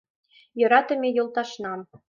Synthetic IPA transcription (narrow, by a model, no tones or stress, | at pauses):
jɤ̆ɾɑt̪ɤ̆mʲejɤ̆lˠt̪ɑʃnɑm